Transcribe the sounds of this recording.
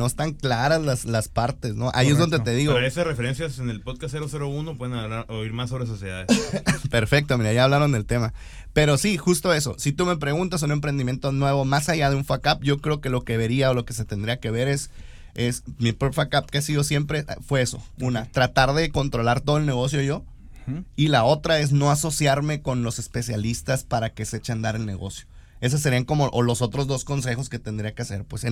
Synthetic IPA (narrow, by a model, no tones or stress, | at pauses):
no̞est̪aŋklaɾazlaslaspaɾt̪e̞sno̞ʔa̰iezðo̞nd̪et̪e̞ðiɣoesasrefe̞ɾe̞nsjasenelpoðkasːeɾoseɾounopwe̞ðenaβlaɾoiɾmasːo̞βɾes̬o̞sjeða̰ðepe̞ɾfe̞k̚t̪omiɾajaːβlaɾo̞nd̪e̞lt̪e̞ma | pe̞ɾo̞sixust̪o̞e̞so̞̰sit̪ume̞pɾe̞ɣunt̪as̬une̞mpɾe̞nd̪imje̞nt̪onwe̞β̞o̞masaʝaðe̞uɱfakap̚ɟ͡ʝo̞kɾeoke̞lo̞ke̞βe̞ɾiao̞lo̞ke̞se̞t̪e̞nd̪ɾiake̞βe̞ɾe̞s | e̞smipɾopjakap̚keasiðo̞sje̞mpɾe̞ʔfwe̞eso̞̰unat̪ɾat̪aɾðe̞ko̞nt̪ɾo̞laɾt̪o̞ðoelne̞ɣ̞o̞s̬joiʝo̞ | ilao̞t̪ɾae̞z̬no̞aso̞sjaɾme̞ko̞nlo̞se̞spe̞sjalist̪aspaɾake̞se̞t͡ʃand̪aɾe̞lne̞̰ɣo̞̰sjo̞ | e̞s̬as̬ːe̞ɾiaŋko̞mo̞ʔolo̞so̞t̪ɾo̞zðo̞sko̞nse̞xo̞sket̪end̪ɾiake̞ase̞̰ɾpwese